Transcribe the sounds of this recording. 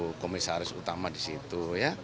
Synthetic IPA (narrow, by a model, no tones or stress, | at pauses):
komisaɾɪsut̪amadisit̪uja